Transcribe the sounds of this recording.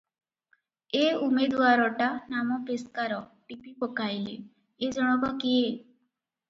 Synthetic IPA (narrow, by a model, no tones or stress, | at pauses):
eumed̪uaɾɔʈanamɔpeskaɾɔʈipipɔkajli | ed͡ʒɔɽ̃ɔkɔkie